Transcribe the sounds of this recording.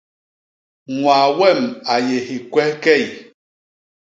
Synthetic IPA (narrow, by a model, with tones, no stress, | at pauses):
ŋwaː˨wɛ˦˨ma˨je˨hi˨kwɛ˦kɛ˦˨j